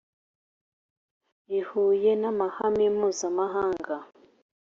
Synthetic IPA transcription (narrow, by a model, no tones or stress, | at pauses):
ihuːjenamahamimuːzamaɦaːŋɡa